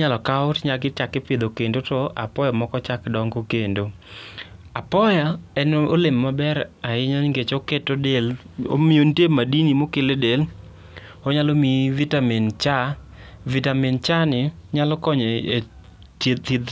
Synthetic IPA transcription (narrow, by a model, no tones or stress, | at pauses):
ɲalɔkaʊtɲakɪt͡ʃakɪpɪd̪okendotɔʔa̰pɔjamɔkɔt͡ʃakdɔŋɡokendo | apɔjaɛnolemːabɛɾaɪɲanŋɡet͡ʃoketodelo̰miontemadinimokɪledel | oɲalomivitamint͡ʃa | vitamint͡ʃanɪɲalɔkɔɲee | teid̪